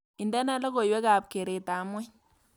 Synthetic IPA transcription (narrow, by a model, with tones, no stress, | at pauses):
i˨ndɛ˦na˦la˦ɡo˨jwɛ˦ɡa˨p̚ke˨ɾe˨ta˨mɔ˦